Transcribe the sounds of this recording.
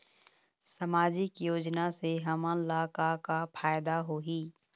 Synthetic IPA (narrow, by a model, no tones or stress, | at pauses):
sɐmaːd͡ʒɪkjoːd͡ʒnaseɦɐmə̃laːkakapʰaːjd̪aɦoːɦiː